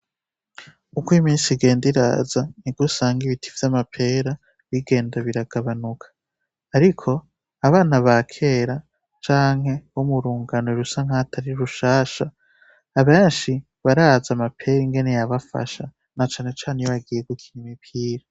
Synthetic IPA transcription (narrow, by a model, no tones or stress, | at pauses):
ukwimiːnsiɡe̞ːndiɾa̰ːzaniɡusaːŋɡiβitʰi̥vjamapʰe̞ːɾa | βiɡe̞ːndaβiɾaɡ̥aβanukʰḁː | ɾikʰo̞ | aβaːnaβakʰe̞ɾa | t͡ʃaːŋ̥he̞womuɾuːŋɡanoeɾusaŋhatʰaɾiɾuʃaːʃaː | βe̞ːnʃi | βaɾazamapʰe̞ɾiŋɡe̞ne̞jaβafa̰ʃa̰ | nat͡ʃaːne̞t͡ʃaːnejβaɡije̞ɡukʰinimipʰiːɾa